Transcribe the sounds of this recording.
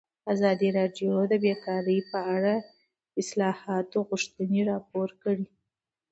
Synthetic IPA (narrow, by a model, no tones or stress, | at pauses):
azɑd̪iɾɑɖjod̪əbjekɑɾəjpəaɽa | ɪslɑhɑt̪oɣʊʃt̪əneɾɑp̚oɾkəɽi